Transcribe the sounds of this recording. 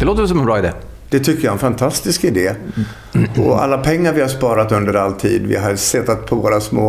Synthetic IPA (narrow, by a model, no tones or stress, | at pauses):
d̪ɛloːt̪əvɛs̬ɔmɛnbɾɑːɪd̪eː | d̪̥ɛt̪ʰʏkːəɾjaɛnfant̪ʰast̪ɪskɪd̪eː | ɔa̰lːapʰɛŋːaɾvɪhaspɑːɾat̪ɵnd̪əɾalt̪ʰiːd̪vɪ̰ɦaɾsɛt̪ːat̪̚pʰɔvoːɾasmoː